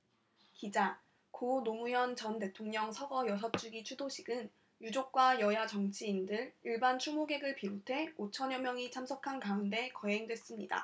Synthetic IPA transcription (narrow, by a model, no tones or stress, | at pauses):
kid͡ʑa | konomujʌnt͡ɕʌnte̞tʰoŋɲʌŋsʰʌɡʌjʌsʰʌt͡ɕ͈uɡit͡ɕʰudoɕʰiɡɯn | jud͡ʑok̚k͈wajʌjat͡ɕʌŋt͡ɕʰiːndɯɾiɭbant͡ɕʰumoɡe̞ɡɯɭpiɾotʰe̞ot͡ɕʰʌɲʌmjʌŋit͡ɕʰamsʰʌkʰankaunde̞kʌe̞ŋdwe̞s͈ɯmɲḭda̰